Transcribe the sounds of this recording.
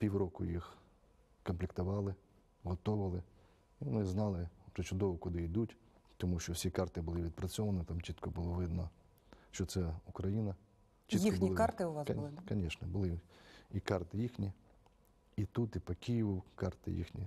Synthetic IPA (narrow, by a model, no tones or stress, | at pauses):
pʲiwɾɔkʊ̰jix | kɔmplʲɪkt̪ʊʋɑlˠɪ | ɦɔt̪ɔʋɪlˠɪ | iʋɔnɪznɑlˠɪʋʒ̥ɛt͡ʃʊd̪ɔʋɔkʊd̪ɪid̪utʲt̪ɔmuʃt͡ʃɔwsʲikɑrt̪ɪbʊlˠɪʋʲid̪̚pɾɐt͡sʲɔʋɐnɪt̪ɑmt͡ʃit̪kɔbʊlˠɔʋɪd̪nɔ | ʃt͡ʃɔt̪sɛʊkɾɐjinɐ | t͡ʃiikɔbikɑt̪ɪʊʋakɐnʲɛʃnɛbʊlˠɪikɑrt̪ɪjixnʲi | it̪ut̪ipɐkʲijiʋʊkɑrt̪ɪ̰jḭxnʲḭ